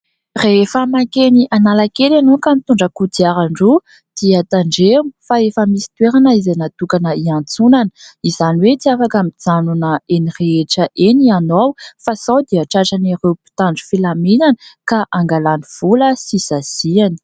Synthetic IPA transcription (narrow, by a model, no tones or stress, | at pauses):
reefəmakeniʔanalakelanokamit̪uɳɖ͡ʐəkud̪iaɾaɳɖ͡ʐu | d̪̥iat̪aɳɖ͡ʐemifaefəmisi̥t̪weɾanaizenat̪ukanəiant͡sunanəizaniwet͡siafakamid͡zanunəenireeʈ͡ʂəʔenianawfasawd̪iaʈ͡ʂaʈ͡ʂaniɾewpi̥t̪aɳɖ͡ʐu̥filamenanəkaʔaŋɡalaniv̥uləsisaz̥iani̥